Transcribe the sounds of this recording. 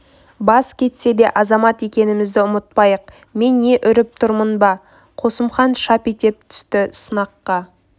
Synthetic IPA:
bɑskʲʰe̞t̪se̞d̪e̞ʔɑzɑmɑt̪e̞kʲe̞nɪmɪzd̪ɪʊmət̪̚pɑjəq̚ | me̞nːe̞ʔʏɾɪp̚t̪ʰʊɾmənbɑ | qʰo̞səmχɑnʃɑpijt̪e̞p̚t̪ʰʏ̥st̪ɪsənɑqːɑ

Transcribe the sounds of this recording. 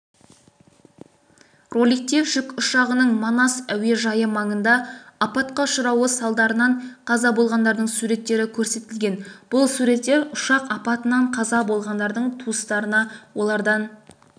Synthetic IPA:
ro̞lʲijk̚t̪eʒ̥ʏkʊʃɑʁənəɴmɑnɑsæwe̞ʒɑjəmɑɴənd̪ɑɑpɑt̪qɑʊʃəɾɑwəsɑlˠd̪ɑɾənɑɴqʰɑzɑbo̞lˠʁɑnd̪ɑɾd̪əɴsuɾe̞t̪ːe̞ɾɪkʲʰɵɾse̞t̪ɪlɡʲe̞nb̥ʊlˠsuɾe̞t̪ːe̞ɾʊʃɑqɑpɑt̪ənɑɴqʰɑzɑbo̞lˠʁɑnd̪ɑɾd̪əɴt̪ʰuəst̪ɑɾənɑwo̞lˠɑɾd̪ɑn

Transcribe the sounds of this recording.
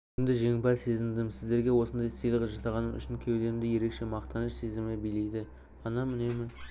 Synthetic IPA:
ɪmd̪ɪʒe̞ŋbɑse̞zɪnd̪ɪmsɪzd̪e̞ɾɡʲe̞wo̞sənd̪ɑj̪sijlˠəʁəʒɑsɑʁɑnəmʏ̰ʃɪnkʲʰewle̞ɾɪmd̪ɪje̞ɾe̞kʃe̞mɑqt̪ɑnəʃse̞zɪmɪbijle̞jd̪ɪ | ɑnɑmɪne̞mɪ

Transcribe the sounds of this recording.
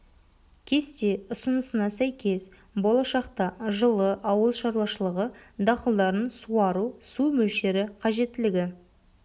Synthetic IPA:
kʲʰe̞st̪e̞ʊsənəsənɑsæjkʲʰe̞s | bo̞lˠɑʃɑqt̪ɑʒəlˠəʔɑwəlˠʃɑɾuwɑʃəlˠəʁəd̪ɑqəlˠd̪ɑɾənsuɑɾusumɵlʃe̞ɾɪqʰɑʒe̞t̪ːɪlɪɡʲɪ

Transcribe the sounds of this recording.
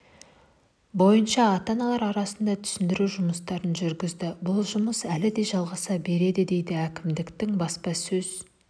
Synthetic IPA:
bo̞jənʃɑːt̪ɑnɑlˠɑɾɑɾɑsənd̪ɑt̪ʰʏ̥sɪnd̪ɪɾuʒʊməst̪ɑɾənʒʏɾɡʲɪzd̪ɪbʊlˠʒʊməsælɪd̪e̞jʒɑlˠʁɑsɑbe̞ɾe̞d̪ɪd̪e̞jd̪ɪækʲɪmd̪ɪkt̪ɪŋbɑspɑsɵz̥

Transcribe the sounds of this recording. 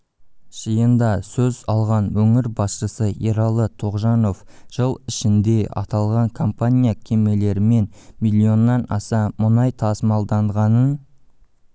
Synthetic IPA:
ʒ̥ijənd̪ɑsɵzɑlˠʁɑnwɵŋɪɾbɑsʃəsəeɾɑlˠət̪ʰo̞ʁʒɑno̞fʒ̥əlˠɪʃɪnd̪e̞ɑ̰t̪ɑlˠʁɑŋkʰo̞mpanʲijakʲʰe̞me̞le̞ɾɪme̞nmilʲːio̞nːɑnɑ̰sɑmʊnɑjt̪ʰɑsmɑlˠd̪ɑɴʁɑnən

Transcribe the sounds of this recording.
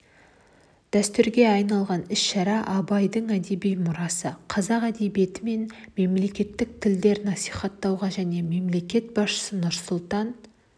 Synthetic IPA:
d̪̥æst̪ʏɾɡʲe̞ɑjnɑlˠʁɑnɪsʃɑɾɑʔɑbɑjd̪əɴæd̪e̞bijmʊɾɑsəqʰɑzɑqæd̪e̞bije̞t̪ɪme̞nme̞mle̞kʲe̞t̪ːɪk̚t̪ʰɪld̪e̞ɾnɑsijχɑt̪ːɑwʁɑʒæne̞me̞mle̞kʲe̞t̪̚bɑsʃə̥sənʊɾsʊlˠt̪ɑn

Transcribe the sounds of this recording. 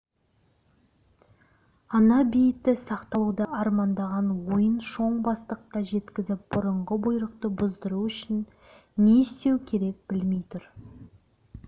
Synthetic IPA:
ɑnɑbijɪtt̪ːɪsɑqt̪ɑlˠud̪ɑʔɑɾmɑnd̪ɑʁɑnwo̞jənʃo̞ɴbɑst̪əq̚t̪ɑʒe̞t̪kʲɪzɪp̚b̥ʊɾəɴʁəbʊjɾəq̚t̪əbʊzd̪əɾuʏʃɪnː | est̪e̞wkʲʰe̞ɾe̞k̚b̥ɪlme̞jt̪ʰʊɾ

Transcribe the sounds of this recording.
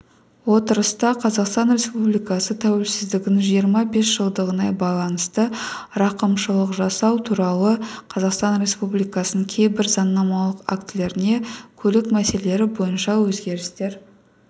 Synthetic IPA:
wo̞t̪əɾəst̪ɑqʰɑzɑqst̪ɑnɾe̞spublijkɑsət̪ʰæwe̞lsɪzd̪ɪɡʲɪnɪŋʒijəɾmɑbe̞sʒ̥əlˠd̪əʁənɑjbɑjlˠɑnəst̪əɾɑqəmʃəlˠəqʒɑsɑwt̪ʰuɾɑlˠəqʰɑzɑqst̪ɑnɾe̞spublijkɑsənəkʲʰe̞jbɪɾzɑnːɑmɑlˠəqa̰kt̪le̞ɾɪne̞kʲʰɵlɪkmæse̞lee̞ɾɪbo̞jənʃɑwɵzɡʲe̞ɾɪst̪e̞ɾ

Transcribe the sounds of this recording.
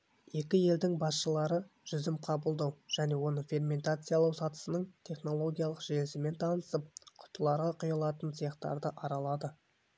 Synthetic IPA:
je̞k̬ʲɪje̞ld̪ɪŋbɑsʃəlˠɑɾəʒ̥ʏzɪmqʰɑbəlˠd̪ɑwʒ̥æne̞wo̞nəfʲe̞rmʲe̞nt̪at̪sɨjalˠɑwsɑt̪ə̥sənəɴt̪ʰe̞χno̞lˠo̞ɡʲijalˠəqʒelɪsɪme̞nt̪ʰɑnəsəp̚qʰʊ̥t̪əlˠɑɾʁɑqʰʊjɑlˠɑt̪əntsʰijɑχt̪ɑ̰ɾd̪əʔɑɾɑlˠɑd̪ə

